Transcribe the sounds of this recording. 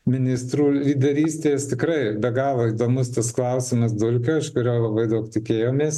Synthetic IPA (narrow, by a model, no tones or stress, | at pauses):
mʲɪnʲɪst̪ɾuːlʲiːd̪ʲɐɾʲiːsʲt̪ʲeːst̪ʲɪkɾɐɪbʲɛɡɑːʋoːid̪oːmʊst̪ɐsklˠɐʊsʲɪmɐs̬d̪ʊlʲkʲoːɪʃkʊɾʲoːlˠɐbɐɪd̪ɐʊkt̪ʲɪkʲeːjoːmʲeːs